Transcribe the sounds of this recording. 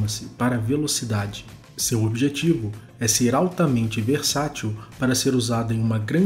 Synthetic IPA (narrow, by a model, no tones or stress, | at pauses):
mɐsɪpaɾɐvelosid̪ad͡ʒɪ | sewobiʒet͡ʃivʊ | ɛseɾawt̪ɐmẽnt͡ʃɪveɾsat͡ʃiwpaɾɐseɾuzad̪ʊẽj̃ũmɐɡɾɐ̃